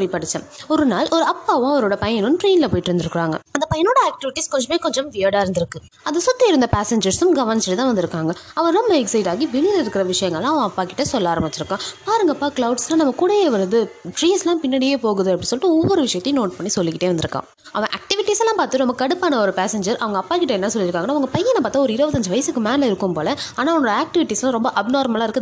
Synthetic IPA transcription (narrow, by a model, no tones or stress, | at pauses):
ɽipɐɽɯt͡ʃːɐ̃ɔɾɯnaːlʔɔɾɯɐpːaːʋʊ̃ɐʋɐɾoːɽɐpɐjɐnʊmʈɾiːnlɐpoːjɪʈːɪɾɯnd̪ɪɾɯkːɪɾaːŋɡɐ̰ɐnd̪ɐpɐjɐnoːɽɐaːk̚ʈɪʋɪʈːiskɔɲd͡ʒɐmeːkɔɲd͡ʒɐmʋɪjaːɽaːɪɾnd̪ɪɾɯkːɯ | ɐðɯsɔt̪ːɐɪɾɯnd̪ɐpaːsɛɲd͡ʒɐɾsɯ̃mɡɐʋɐnɪt͡ʃːɪʈɯt̪ãːʋɐnd̪ɪɾɯkːaːŋɡɐɐʋɐ̃ɾɔmbɐɛksɐɪʈaːɣiʋɪɭɯðɪɾɯkːɪɾɐʋɪʂɐjɐ̃ŋɡɐɭːãːɐʋɐ̃ɐpːaːkɪʈːɐsɔlːaːɾɐmɐt̪ːɪɾɯkːãːpaːɾɯŋɡaːpːaːkɭɐʊɖslãːnɐmːɐkuɽɐjeːʋɐɾɐðɯʈɾiːnslãːpɪnːɐɽijeːpoːɣɯðɯɐpːɐɽĩsɔlɪʈːɯɔʋːɔɾɯʋɪʂɐjɐt̪ːenoːʈ̚pɐɳːisɔlːɪkːɪʈːeːʋɐnd̪ɪɾɯkːã̰ː | ʔɐʋɐ̃ʔa̰ːk̚ʈɪʋɪʈːisɛlːãːpaːɾt̪ːɯɾɯnɐmbɐkɐɽɯpːaːnɐɔɾɯpaːsɛɲd͡ʒɐɾʔɐʋɐŋɡɐɐpːaːkɪʈːɐɛnːɐsɔlːɪɪɾɯkːaːŋɡɐnːaːɐʋɐŋɡɐpɐjːɐnːɐpaːt̪aːɔɾɯɪɾɯbɐt̪ːɐɲd͡ʒɯʋɐjɐsɯkːɯmaːnlɐɪɾɯkːɯmpoːlɛaːnaːɔnːɔɽɐaːk̚ʈɪʋɪʈːiːslãːɾɔmbɐʔɐbnoːɾmɐlaːɪɾɯkːɐ